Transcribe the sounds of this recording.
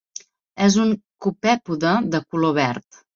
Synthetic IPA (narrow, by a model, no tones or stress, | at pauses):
ɛzuŋkupɛpuðəðəkuloβɛɾt̪